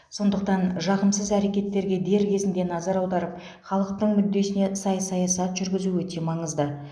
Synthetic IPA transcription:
so̞nd̪əq̚t̪ɑnʒɑʁəmsəzæɾe̞kʲe̞t̪ːe̞ɾɡʲe̞d̪e̞ɾkʲʰe̞zɪnd̪e̞nɑzɑɾɑwd̪ɑɾəp̚ | χɑlˠəq̚t̪əɴmʏd̪ːe̞sɪne̞sɑjɑsɑjɑsɑt̪ʒ̥ʏɾɡʲɪzuɵt̪e̞mɑɴəzd̪ə

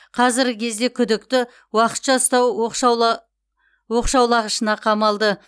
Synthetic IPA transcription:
qʰɑzɪɾɡʲɪkʲʰe̞zd̪e̞kʲʰʏd̪ɪkt̪ɪ | wɑqə̥t̪ʒɑst̪ɑwʃ | wo̞qʃɑwlˠɑʁəʃənɑqʰɑmɑlˠd̪ə

